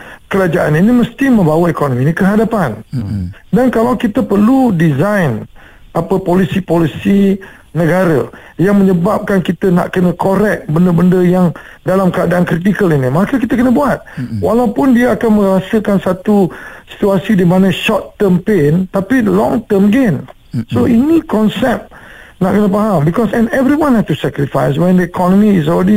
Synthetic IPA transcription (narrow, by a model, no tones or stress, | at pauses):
kəɾad͡ʒaʔa̰niniməst̪imə̃mbawaekonominikəɦadapan | dankalawkit̪əpərludizajn | apəpolisipolisi | nəɡaɾa̰ | jaŋmə̃ɲəbap̚kankit̪əna̰ʔkənə̃koɾɛk̚bəndəbəndəjaŋ | dalamkəadaankɾit̪̬ikəlinimakakit̪akənəbuat̪̚walawpʊndiaakanmə̃ɾasəkansat̪usi̥t̪uasidimãnə̃ʃɔrt̪ːəmpent̪apidəlɔ̰̃ŋt̪əmɡen | soinikɔnsɛp̚naʔkənəpaɦalbikɔsɛ̃nɛvɾiwãnhɛst̪usɛkɾifajs̬wɛ̃ndəikʰɔnɔ̃miːs̬ɔlɾɛdi